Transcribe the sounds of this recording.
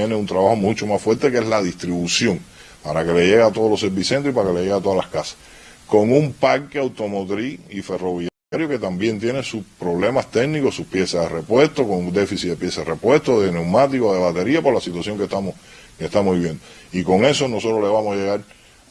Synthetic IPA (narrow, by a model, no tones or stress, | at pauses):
eneunt̪ɾaβaho̞mũt͡ʃomaffwe̞ɾt̪ekeslaðist̪ɾiβusjoŋ | paɾake̞le̞ʝe̞ɣat̪o̞ðolo̞s̬eɾβisent̪ɾoipaɾakelejeɣat̪o̞ðalahkasḁ | ko̞ŋumpaɾkeawt̪o̞mot̪ɾiife̞ro̞βiaaɾjoke̞t̪ambje̞nt̪̬jenesuspɾo̞βle̞mast̪e̞ɡnikosupje̞saðere̞pwe̞ht̪oko̞ŋund̪e̞fisiðe̞pjesaerepwe̞ht̪oðene̞wmat̪ikoðe̞βat̪e̞ɾiapo̞ɾlasit̪wasjoŋkeht̪amoskeht̪amohβiβjend̪oiko̞ŋe̞so̞nosot̪ɾole̞βamosaje̞ɣaɾ